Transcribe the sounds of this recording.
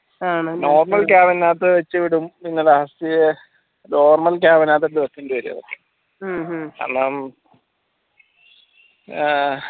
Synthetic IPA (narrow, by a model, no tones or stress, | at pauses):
aːɳno̞ːrmɐlkaːʋɐnːaːt̪ːɨʋɐt͡ɕːɨʋiɽuminːɐlɐɦɐsije | no̞ːrmɐlkaːʋɐnaːt̪̬ːɐdɨʋɐt̪ːuɳɖɨʋɐɾṵjɐ̰ðɨ̰ | ka̰ːrnaːm